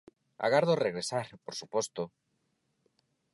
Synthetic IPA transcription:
a̰ɣaɾðoreɣɾesaɾpoɾsupɔst̪o

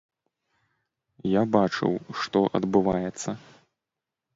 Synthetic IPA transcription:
jabat͡ʂɨ̰wʂt̪ɔʔɐ̰d̪bɨvajɛt̪sːɐ

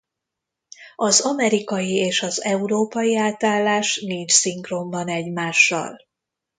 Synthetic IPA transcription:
ɒzɒmɛɾikɒjieːʃɒzɛuɾoːpɒjiaːt̪aːlːaːʃniɲt͡ʃsiŋkrombɒnɛɟmaːʃːɒ̰l

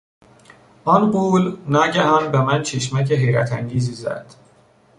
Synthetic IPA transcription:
ʔɒnɢuːlnɒːɟæhɒːnbemænt͡ʃʰeʃ̬mæceɦejɾæt̪ʰæŋɟiːziːzæ̰d̪̥

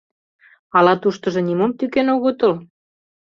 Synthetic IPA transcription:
ɑlɑt̪uʃt̪ɤ̆ʒɤ̆nimomt̪ykenoɣot̪ɤl

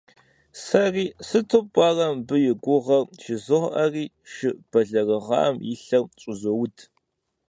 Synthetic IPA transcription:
sɐriːsɨtʰɨpʷʼɑːrɐmbɨjɪɡʷʊʁɐrʃɪzɨʁʔɐriː | ʃɨb̥ɐɮɐrɨʁɑ̰ːmjɪɬɐrt͡ʃʼʊzowʊtʰ

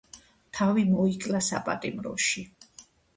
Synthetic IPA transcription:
t̪ʰavimɔikʼlasa̰pʼa̰t̪ʼimɾɔ̰ʃi

